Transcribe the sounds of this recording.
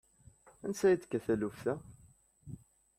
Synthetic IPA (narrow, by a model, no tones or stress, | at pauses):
ænsæjit͡s̪ːkːæθælufθæ